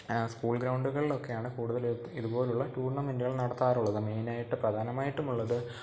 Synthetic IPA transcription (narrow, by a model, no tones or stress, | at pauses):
skuːlɡɾɐwɳɖuɣɐɭilo̞kːe̞jaːɳɨkuːɽuðɐlt̪ːiðubo̞ːleuɭːɐʈuːrɳɐmindiɐɭnɐɽɐt̪ːaːruɭːɐðɨme̞ːnaːjiʈːɨprɐd̪ʱaːnɐmaːjiʈːumuɭːɐðɨ